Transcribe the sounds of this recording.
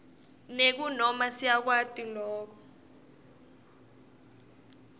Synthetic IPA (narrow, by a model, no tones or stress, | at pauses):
nek̬unɔmasiak̬watʼilɔːk̬ɔ̥